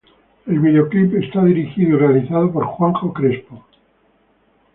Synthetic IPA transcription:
e̞lβiðeo̞klipest̪aðiɾixiðoirealiθað̞opoɾxwaŋxokɾespo

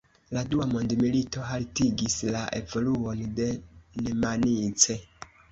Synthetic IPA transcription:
laduwamondimilito̞ɦaltiɡislaʔḛvoluonidenemanit͡se

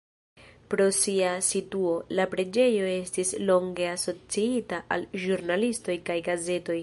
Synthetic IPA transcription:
pɾo̞siasituo̞lapɾe̞d͡ʒe̞jo̞e̞stislo̞ŋɡe̞aso̞t͡siitaʔa̰lʒuɾnalisto̞jkajɡaze̞to̞j

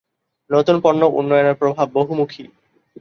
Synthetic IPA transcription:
not̪unpoɾnːoʔṵnːɔjonaɾpɾobʱabːoɦumukʰi

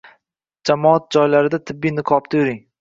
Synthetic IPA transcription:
d͡ʒamɒat̪̚d͡ʒɒjlaɾɪd̪at̪ʰɪbːijnɪqʰɒp̚t̪ʰajʊɾɪŋ

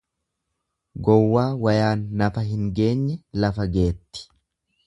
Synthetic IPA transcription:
ɡɔwːaːwɐjaːnːɐfɐɦɪŋɡe̞ːɲːɛlɐfɐɡe̞ːt̪ːɪ̥

